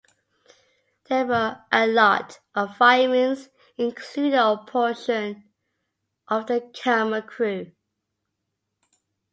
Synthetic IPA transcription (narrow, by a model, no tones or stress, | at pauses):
ðəwəʔəlɔtʔəvfaɪmə̃nz | ɪ̃nkʰl̥ʉdɪəpʰɔˑʃə̃n | ʔəvðəkʰæməkʰɹ̥ʉː